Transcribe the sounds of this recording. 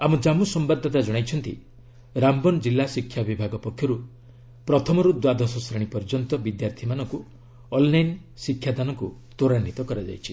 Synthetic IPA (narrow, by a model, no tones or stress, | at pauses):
amud͡ʒamusɔmbad̪ʱːɔt̪ad͡ʒɔɽ̃ajt͡ʃʰɔnt̪ḭ | ɾambɔnd͡ʒilːasikʰjabibʱaɡɔpɔkʰjɔɾu | pɾɔt̪ʰɔmɔɾud̪wad̪ɔsɔsɾaɽ̃ipɔɾd͡ʒɔnt̪ɔbid̪jaɾt̪ʰimanɔŋku | ɔlːajn | sikʰːjad̪anɔŋku | t̪oɾanːit̪ɔkɔɾad͡ʒa̰jt͡ʃʰi̥